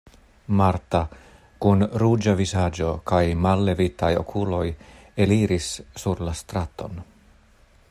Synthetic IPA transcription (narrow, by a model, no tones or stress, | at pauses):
maɾta | kunɾud͡ʒavizad͡ʒo̞kajmalːe̞vitajo̞̰kʰulo̞j | e̞liɾisːuɾlast̪ɾat̪o̞̰n